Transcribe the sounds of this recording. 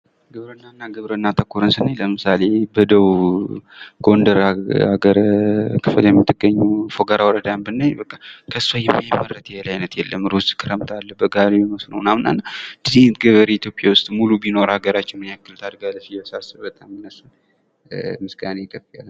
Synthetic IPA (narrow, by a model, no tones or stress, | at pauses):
ɡɨβɾənːanːaɡɨβɾənːat̪ʰəkʰːuɾɨnsɨnajləmɨsale̞bəd̪əw | ɡ̥o̞nd̪əɾhaɡəɾkʰɨfɨljɛmːɨt̪ːɨɡəɲːufoɡaɾawɔɾəd̪ambɨnːajbəkʼːakʰəsːajɛmːajmərːət̪ʰjɛɛlajnət̪jɛlːəmɾuskʰɨɾəmt̪ʰalːəbəɡaɾeməsnə̰wnamnːa̰nːad̪ɨzit̪ɡəβəɾeit̪jo̞pʼjawʊst̪ʼmulubino̞ɾaɡəɾat͡ʃːɪnmɨnjakːɨlt̪ʰad̪ɡaləfijəsasɨβbət̪ʼamːɨnːəsɨn | mɨsɡanekʼəbalː